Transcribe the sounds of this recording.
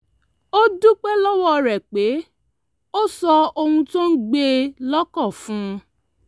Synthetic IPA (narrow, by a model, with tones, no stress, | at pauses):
o˦du˦k͡pɛ˦lɔ˦wɔ˦˧ɾɛ˨k͡pe˨˦ | o˦sɔ˧o˧hũ˧tõ˦n̩˦ɡ͡be˧lɔ˦kɔ˦˨fũ˦˧